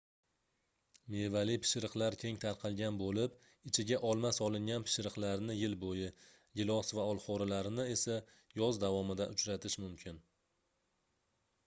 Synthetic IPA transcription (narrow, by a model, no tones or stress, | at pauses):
me̞valɪpʰɪ̥ʃɾɨqlˠaɾkʲʰe̞ŋt̪ʰaɾqʰɑlˠɡʲanbolɪp | ɪt͡ʃʰɪɡʲaʔɒlˠmasɒlˠɪŋɡʲanpʰɪ̥ʃɾɨqlˠaɾnɪjɪlbojɪ | ɡʲɪlˠɒsvaɒlˠχɒɾalaɾnɪe̞sa | jɒzd̪avɒmɪd̪a̰ʔʊt͡ʃɾat̪ʰɪʃmʊmkʲʰɪn